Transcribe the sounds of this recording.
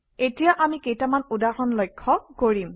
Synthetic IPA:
etijaʔamikejtamanudahɔnlɔjkʰːɔkoɹim

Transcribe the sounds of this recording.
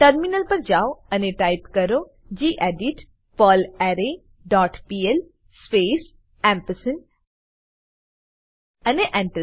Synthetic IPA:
ʈɐɾminəlpɐɾd͡ʒaːoɐneʈaːjpkɐɾo | d͡ʒiːʔeːɖiʈ | pɔːlɛɾe | ɖɔːʈpiːel | speːs | ɛ̃ːmpəsən | ɐneʔɛ̃ːɳʈə

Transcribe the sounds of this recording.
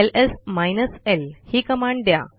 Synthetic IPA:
elesmajnəselhiːkəmãɳɖd̪ja̰

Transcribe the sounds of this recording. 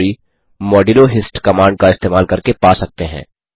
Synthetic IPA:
ɾi | mɔːɖiloɦɪsʈkɐmãːɳɖ̚kaɪst̪eːmaːlkɐɾkepaːsɐk̚t̪eɦɛ̰̃ː

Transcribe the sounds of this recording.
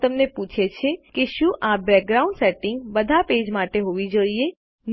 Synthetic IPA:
t̪əmneput͡ʃʰet͡ʃʰekeʃũʔabɾɛk̚ɡɾauɳɖseʈɪ̃ŋɡbəd̪ʱaped͡ʒmaʈeɦoʋid͡ʒoije | n

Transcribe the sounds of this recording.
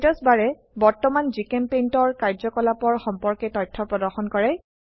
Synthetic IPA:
tɔsbaɹɛ | bɔɹtɔmanzikɛmpentɔɹkaɹzɔkɔlapɔɹxɔmpɔɹkɛtɔjtʰːɔpɹɔdɔɹxɔnkɔɹɛ

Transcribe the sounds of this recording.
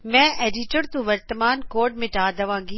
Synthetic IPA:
mɛ̃ːʔeːɖɪʈəɾt̪ũʋɐɾt̪əmaːnkoːɖmẽʈaːd̪ɐʋãːŋɡiː

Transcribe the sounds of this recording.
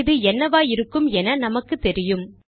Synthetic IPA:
ðɯɛnːɐʋaːjɪɾɯkːɯmɛnɐnɐmɐkːɯt̪ːɛɾɪjɯm

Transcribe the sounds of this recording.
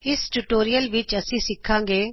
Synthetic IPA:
ɪsʈʊʈoːɾijəlʋɪt͡ʃəsĩːsɪkʰːãːŋɡeː

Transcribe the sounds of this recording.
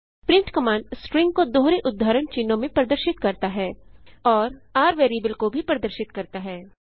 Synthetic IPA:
pɾɪ̃ɳʈkɐmãːɳɖsʈɾɪ̃ŋɡ̚kod̪oːɦɾeʔʊd̪ʱːaːɾəɳt͡ʃinõmẽpɾɐd̪əɾʃɪt̪kɐɾt̪aɦɛːɔːɾaːɾʋeːɾiːbəlkobʱipɾɐd̪əɾʃɪt̪kɐɾt̪aɦɛː

